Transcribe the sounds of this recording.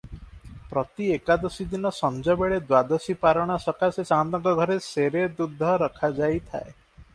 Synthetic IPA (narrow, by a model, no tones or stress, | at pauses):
pɾɔt̪iekad̪ɔsid̪inɔsɔnd͡ʒɔbeɭed̪wad̪ɔsipaɾɔɽ̃asɔkasesand̪ɔŋkɔɡʱɔɾeseɾed̪ud̪ʱːɔɾɔkʰad͡ʒajt̪ʰa̰e